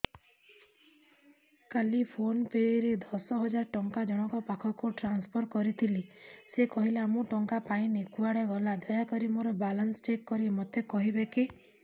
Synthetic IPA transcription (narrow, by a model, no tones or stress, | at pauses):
kalipʰonpeɾed̪ɔsɔɦɔd͡ʒaɾʈɔŋkad͡ʒɔɽ̃ɔkɔpakʰɔkuʈɾanspʰɔɾkɔɾit̪ʰilisekɔɦileːmũʈɔŋkapaĩnekuaɽeɡɔlad̪ɔjakɔɾimoɾɔbalɔnsɔt͡ʃekːɔɾimɔt̪ekɔɦibeki